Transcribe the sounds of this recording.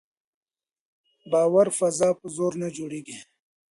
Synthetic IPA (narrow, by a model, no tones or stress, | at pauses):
baːwɐɾfɐzaːpəzoːɾned͡ʑuɽiɡe